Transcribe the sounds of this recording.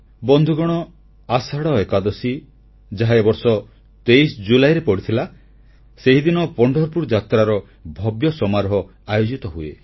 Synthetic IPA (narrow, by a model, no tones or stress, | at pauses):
bɔnd̪ʱuɡɔɽ̃ɔ | asaɽɔekad̪ɔsi | d͡ʒaɦaebɔɾsɔ | t̪ejsd͡ʒulajɾepɔɽit̪ʰila | seɦid̪inɔpɔɳɖʱɔɾpuɾd͡ʒat̪ɾaɾɔ | bʱɔbjɔsɔmaɾɦɔ | ajod͡ʒit̪ɔɦuḛ